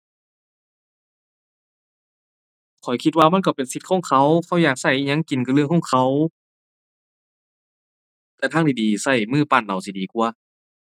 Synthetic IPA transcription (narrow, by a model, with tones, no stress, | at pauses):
kʰɔ˨˩jkʰi˧t̪̚waː˧ma˧˥˨nkɔ˧˩pe˨nsi˧˦t̪̚kʰɔː˧˥˨ŋkʰa˧˥˩wkʰa˧˩wjaː˨˩k̚sa˧˩jɲa˧˥˨ŋki˨˩nkʰɯ˧˦ləkʰɔ˧˥˩ŋkʰa˧˩w | t̪ɛː˧t̪ʰaː˧˥ŋt̪ʰiː˧˩diː˨˩sa˧˩jmɯː˧˩pa˧˩nʔa˨˩˨wsi˧˩diː˨˩ku˧ɐ